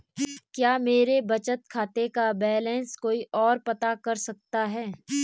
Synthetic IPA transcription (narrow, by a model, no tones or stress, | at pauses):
kjaːmeːɾebɐt͡ʃət̪kʰaːt̪ekabɛːlɛ̃nskoːiʔɔːɾpɐt̪akɐɾsɐk̚t̪aɦɛː